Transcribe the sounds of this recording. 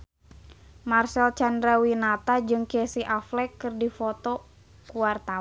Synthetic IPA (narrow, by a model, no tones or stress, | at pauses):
marsɛlt͡ʃandɾawinat̪ad͡ʒɨŋkɛsiʔaflɛkːɨrdifɔt̪ɔ | kuwart̪a